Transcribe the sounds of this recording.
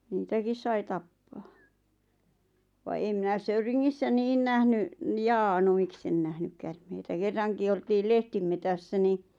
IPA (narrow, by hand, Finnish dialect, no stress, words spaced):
niːtækis sɑi tɑpːɑː ʋɑ em minæ søyriŋːisːæ niːn næhny njɑː no miksen næhnyk kærmeitæ kerːɑŋki oltiːl lehtimetæsːæ ni